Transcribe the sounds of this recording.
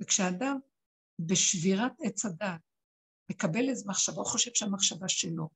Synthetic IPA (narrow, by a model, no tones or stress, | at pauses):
vekʃeaːdam | beʃviʁatet͡sadaːt̚ | me̞kabelezemaχʃavaoχoʃe̞v̥ʃeamaχʃavaʃelo̞